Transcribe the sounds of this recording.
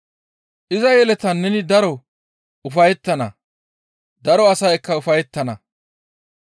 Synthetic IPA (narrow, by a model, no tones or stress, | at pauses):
ʔɪzɐjɛlɛt̪ɐnːɛnɪd̪ɐɾɔ | ʊfɐjɛt̪ːɐnɐ̰ | d̪ɐɾɔɐsɐjkːɐʊfɐjɛt̪ːɐnɐ